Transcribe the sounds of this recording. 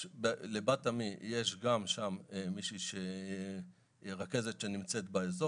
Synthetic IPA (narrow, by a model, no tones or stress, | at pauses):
belebatamijeʃɡamʃamemiʃiʃe | ʁake̞ze̞t̪ʃe̞nimt͡se̞t̪baezo